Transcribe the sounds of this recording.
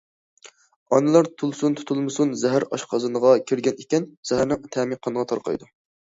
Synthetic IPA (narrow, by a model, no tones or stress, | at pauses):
ɑnɨlˠɑɾt̪ʰulˠsunt̪ʰu̥t̪ʰulˠmɨsunzɛɦæɾɑʃqʰɑzɨnəʁɑkʲʰiɾɡʲɛnekʲɛnz̥ɛhæɾnɪŋt̪ʰɛminqʰɑnəʁɑt̪ʰɑɾqʰɑ̰jd̪u